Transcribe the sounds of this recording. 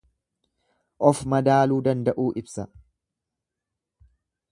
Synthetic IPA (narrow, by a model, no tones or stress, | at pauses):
ʔɔfmɐd̪aːluːd̪ɐnd̪ɐʔuːʔɪbsɐ